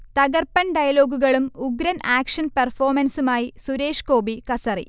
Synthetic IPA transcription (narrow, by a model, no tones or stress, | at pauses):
t̪ɐɣɐrpɐnɖɐjɐlo̞ːɡuɣɐɭumuɡɾɐnʔaːkʂɐnpɐrfoːrmɐnsumaːjisuɾe̞ːʂko̞ːbikɐsɐrḭ